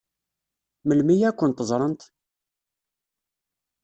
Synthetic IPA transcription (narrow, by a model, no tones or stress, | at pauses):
məlmijækʷːənt̪əzˤɾˤənt̪